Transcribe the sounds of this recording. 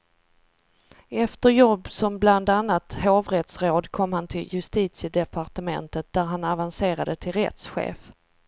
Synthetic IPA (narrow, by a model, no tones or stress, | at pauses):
ɛft̪əɾjɔbːsɔmbland̪anːat̪hoːvɾɛt̪sɾoːd̪kʰɔmːhant̪ʰɪljɵst̪iːt̪sɪd̪ɛpʰaɾʈəmɛ̰nt̪ət̪̚d̪æɾɦanavanseːɾad̪ət̪ʰɪlɾɛ̰t̪sɧḛːf